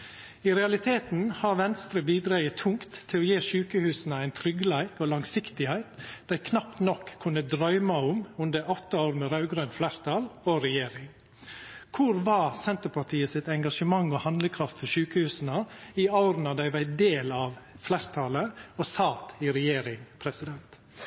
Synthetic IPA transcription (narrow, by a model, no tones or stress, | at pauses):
iɾɛɑlɪt̪ʰeːt̪n̩hɑɾʋɛnst̪ɾəbiːd̪ɾɑːət̪ʰʊŋkt̪ʰːɪloːjeːʃʉːkəhʉːsnəæɪnt̪ʰɾʏɡlæɪkoːlɑŋsɪkt̪ɪhæɪt̪d̪̥æɪkʰnɑpt̪nɔkʰːʉnəd̪ɾœʏmɑʊmʉnd̪əɔt̪ːəoːɾmɛɾɑʉɡɾœnflæːɾt̪ʰɑːlɔɾɛjeːɾɪŋ | kʰʊɾʋɑsɛnt̪əpʰɑt̪ʰiːəsɪt̪ɛŋɡɑʂəmɑŋɔhɑnd̪ləkʰɾɑft̪fɔʃʉːkəhʉːsn̩əiɑʊɾnɑd̪æɪʋæɪd̪eːlɑʋflæɾt̪ʰɑləosɑt̪ɪɾɛjeːɾɪŋpʰɾɛsɪd̪ɛnt̪